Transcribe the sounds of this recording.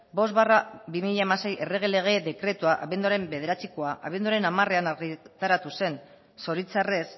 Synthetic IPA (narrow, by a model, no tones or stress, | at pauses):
bo̞zβarabimiʎaemase̞jʔe̞re̞ɣ̞e̞le̞ɣ̞e̞ðe̞kɾe̞t̪uaʔaβend̪uaɾe̞mbe̞ð̞e̞ɾat͡siko̞aʔa̰βe̞nd̪uaɾe̞namare̞anaɣit̪aɾat̪use̞n | so̞ɾit͡sare̞s